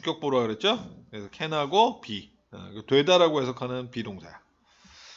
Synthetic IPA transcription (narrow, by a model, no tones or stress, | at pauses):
k͈jʌk̚p͈oɾoaɡɯɾet̚t͡ɕ͈oesʰʌkʰenaɡopḭ | kɯtwe̞daɾaɡoɦe̞sʰʌkʰanɯnpidoŋsʰḛ